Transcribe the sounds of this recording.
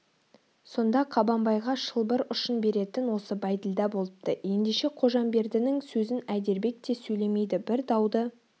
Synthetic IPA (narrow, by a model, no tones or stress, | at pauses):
so̞nd̪ɑqʰɑbɑmbɑjʁɑʃəlˠbəɾʊʃənbe̞ɾe̞t̪ɪnwo̞səbɑjd̪ɪld̪ɑbo̞lˠəp̚t̪əje̞nd̪eʃe̞qʰo̞ʒɑmbe̞ɾd̪ɪnɪŋsɵzɪnæd̪e̞ɾbe̞k̚t̪e̞sɵjle̞me̞jd̪ɪbɪɾd̪ɑwd̪ə